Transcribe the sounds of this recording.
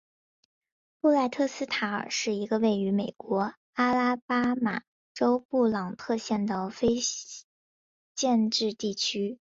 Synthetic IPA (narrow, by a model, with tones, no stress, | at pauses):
pu˥˧la˥˧ɪt̪ʰɤ˥˩sɹ̩˥t̪ʰa˧˥ə˞˨˩ʂɻ̩˥˩i˧˥ɡə˧we˥˩ɪy˧˥me˨˩ɪkwɔ˧˥ | a˥la˥pa˥ma̰˨˩ | ʈ͡ʂo˥ʊpu˥˩lɑ˨˩ŋt̪ʰɤ˥˧ɕjɛ˥˩nd̪ə˩fe˥ɪ | t͡ɕjɛ˥˧nʈ͡ʂɻ̩˥˧t̪i˥˩t͡ɕʰy˥